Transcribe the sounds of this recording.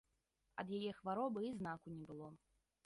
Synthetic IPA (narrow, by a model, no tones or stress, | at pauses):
ɐ̰d̪jajɛxvaɾɔbɨiznakunʲɛbɨlˠɔ